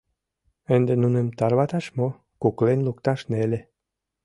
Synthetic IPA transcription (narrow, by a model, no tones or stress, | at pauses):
ənd̪enunemt̪ɑrβɑt̪ɑʃmo | kuklenlukt̪ɑʃnelʲĕ